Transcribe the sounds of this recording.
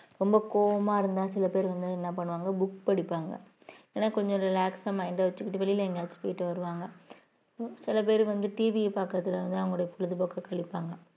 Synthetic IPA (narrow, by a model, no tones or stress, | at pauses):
ɾɔmbɐkoːʋɐmaːɪɾɯnd̪ãːsɪlɐpeːɾʋɐnd̪ɯɛnːɐpɐɳːɯʋaːŋɡɐbʊk̚pɐɽɪpːaːŋɡɐ̰ | eːnaːkɔɲd͡ʒɔ̃ɾɪlaːksamɐɪɳɖaʋɐt͡ʃːɯkːɪʈːɯʋɛɭɪlɐɛŋɡaːspɐjɪʈːɯʋɐɾɯʋaːŋɡɐ | sɪlɐp̬eːɾɯʋɐnd̪ɯʈiːʋipaːkːɐt̪ːɪlɐʋɐnd̪ɯɐʋɐŋɡɐɭːoɽɐjɐpɔɭɯðɯpoːkɐkɐɭɪpːaːŋɡɐ